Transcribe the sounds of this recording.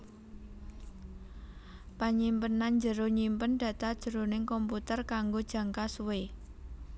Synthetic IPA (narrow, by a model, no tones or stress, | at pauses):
paɲimpənːand͡ʒəɾoɲimpənd̥ä̤t̪ad̥ʒ̥ə̤ɾonɪŋkɔmput̪ərkaŋɡod̥ʒ̥ä̤ŋkasuwe